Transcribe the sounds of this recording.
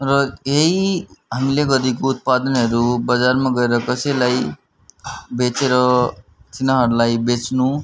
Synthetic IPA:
rʌeiɦamileɡʌɾikout̪̚pad̪ʌnɦʌɾubad͡zarmaɡʌeɾʌkʌsʌjlaj | bet͡seɾʌtʰinʌɦʌɾulajbet͡snu

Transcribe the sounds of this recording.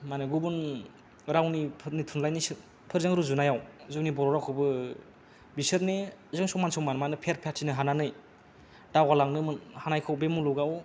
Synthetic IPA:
manɯɡubun | ɾawnipʰɯɾnitʰunlajnis | pʰɯɾzaŋɾuzunajawzɯwnibɔɾɔɾawkʰɯwbɯ | bisɯɾnezɯŋsɔŋmansɔwmanmanɯpʰeɾpʰetʰinɯɦananɯj | dawalaŋnɯmɯnhanajkʰɯwbemuluɡaw

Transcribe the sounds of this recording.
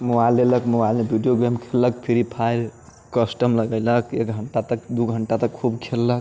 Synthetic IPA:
moajlːeləkmobajlebʱiɖijoɡɾemkʰellək̚pʰiɾipʰail | kəsʈəmləɡəjləkʰekɡʱəɳʈat̪ək̚d̪uɡʱəɳʈat̪əkkʰubkʰelːək

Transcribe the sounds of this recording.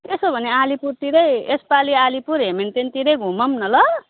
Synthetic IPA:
t̪esobʱʌnealipurt̪iɾʌjespalialipuɾɦement̪ent̪iɾʌjɡʱũmʌmnʌlʌ

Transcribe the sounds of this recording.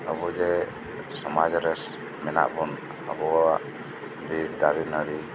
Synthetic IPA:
abɔd͡ʒɛ | sɔmad͡ʒɾɛs | mɛna̰ʔbɔn | abɔaʔ | biɾd̪aɾinaɾi

